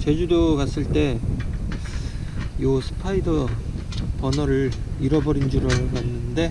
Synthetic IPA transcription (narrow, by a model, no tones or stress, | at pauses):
t͡ɕe̞d͡ʑudokas͈ɯɭt͈e̞ | josʰɯ̥pʰaidʌ | pʌnʌɾɯɭiɾʌbʌɾind͡ʑuɾokanːɯnde̞